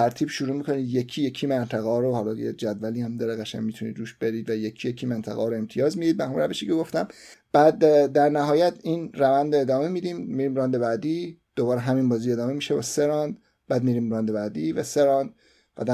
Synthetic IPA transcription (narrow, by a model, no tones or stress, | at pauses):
t̪ʰæɾt̪ʰiːbʃuɾuːmikʰo̞niːd̪jekʰijekʰimænt̪ʰæɣɒːɾohɒːlɒḛd͡ʒæd̪væliæmd̪ɒːɾeɣæʃæ̰ɲmit̪ʰunḭd̪ɾuːʃb̥e̞ɾiːd̪væjecʰijecʰimænt̪ʰæ̰ɣɒɾoe̞mt̪ʰijɒːzmid̪id̪̚bæhæmɾæveʃiːcʰeɡo̞ft̪æmb̥æːd̪ːæɾnæɦɒːjæt̪ʰinrævænd̪oe̞d̪ɒːme̞mid̪iːmmːiɾiːmɾɒːnd̪eβæd̪id̪̥oβɒːɾeɦæminbɒːzie̞d̪ɒːme̞miʃebɒ̰seɾɒnd̪ | b̥æːd̪miɾiːmɾɒnd̪ebæd̪ivæseɾɒnd̪̚ | væ̰d̪æ